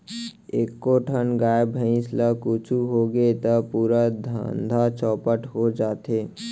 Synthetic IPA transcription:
eːkːoʈʰənɡaːbʱə̃ĩslakut͡ʃʰuɦoɡet̪əpuːɾad̪ʱə̰nd̪ʱat͡ʃɔːpəʈɦod͡ʒaːt̪eː

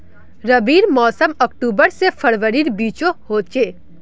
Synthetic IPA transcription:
ɾəbiːɾmɔːsəmək̚ʈuːbəɾsefʰɐɽʋəɾiːɾbiːt͡ʃohoːt͡ʃeː

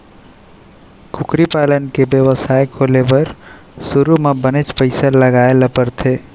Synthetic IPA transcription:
kʰukɾipalənkebjəwəsajkʰolebəɾ | suɾumebənet͡ʃpəɪsaləɡaeləpəɾt̪ʰe

